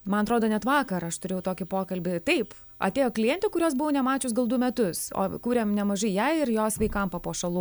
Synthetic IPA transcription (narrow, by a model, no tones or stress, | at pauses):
mɐnɐt̪ɾoːd̪oːnʲɛt̪ʋɑːkɐɾɐʃt̪ʊɾʲeːjʊt̪oːkʲɪpoːkɐlʲbʲɪt̪ɐɪp | ɐ̰t̪ʲeːjoːklʲɪjɛnʲt̪ʲʊkʊɾʲoːs̬bʊʋoːnʲɛmɑːt͡ʃʲʊsɡɐlˠd̪ʊmʲɛt̪ʊso̰ːkuːɾʲeːmnʲɛmɐʒɐɪjæɪɪrjoːsʋɐɪkɐmpɐpoːʃɐlˠuː